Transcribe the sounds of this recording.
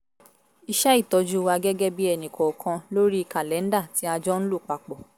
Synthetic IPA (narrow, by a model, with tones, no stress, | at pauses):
i˧ʃɛ˦i˦˨tɔ˧d͡ʒu˦wa˧ɡɛ˦ɡɛ˦bi˦ɛ˧nĩ˨kʰɔ˨kʰã˧lo˦ɾi˦˨ka˨lɛ˨˦n̩˦da˦˨ti˨˦a˧d͡ʒɔ˦n̩˦lu˦˨k͡pa˨k͡pɔ˨